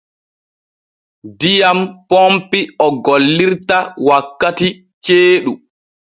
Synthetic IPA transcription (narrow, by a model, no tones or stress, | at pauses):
dijampompiɔɡolːiɾtawakːati | t͡ʃeːɗu